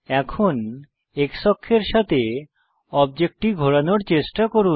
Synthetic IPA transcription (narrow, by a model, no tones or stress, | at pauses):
ɛkʰon | ekʃɔkʰːeɾʃat̪e | ɔbd͡ʑek̚ʈiɡʱoɽanoɾt͡ɕeʃʈakoɾu